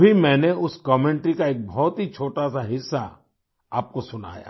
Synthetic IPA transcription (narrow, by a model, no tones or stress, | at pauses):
bʱimɛ̃ːneʊskɔːmẽːɳʈɾikaeːk̚bʱɔːt̪ɦit͡ʃʰoːʈasaɦɪsːa | aːp̚kosʊna̰ːja̰